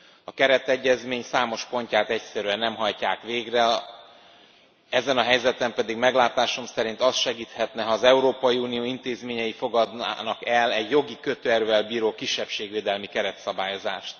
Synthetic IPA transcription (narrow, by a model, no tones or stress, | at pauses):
ɒkɛɾɛt̪ɛɟːɛzmeːɲsaːmo̞ʃpo̞ɲcaːt̪ɛcsɛɾyɛnːɛmɦɒjcaːkʋeːɡrɛ | ɛzɛnɒɦɛjzɛt̪ɛmpɛd̪iɡmɛɡlaːt̪aːʃo̞msɛɾint̪ɒsʃɛɡiːt̪hɛt̪nɛɦɒːzɛuɾoːpɒjiuːnijoːint̪eːzmeːɲɛjifo̞ɡɒd̪nːnɒkɛlɛɟjo̞ɡikøt̪øɛrvɛlbiːɾoːkiʃːɛpʃeːɡʋeːd̪ɛlmikɛɾɛt̪sɒbaːjo̞za̰ːʃt̪